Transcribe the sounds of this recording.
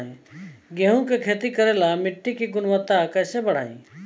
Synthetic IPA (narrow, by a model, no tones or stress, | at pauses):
ĩɡeːɦõkekʰeːt̪ikəɾeːlamɪʈːikiɡʊnʋət̪ːakɛːsebəɽ̤a̰ːḭ̃ː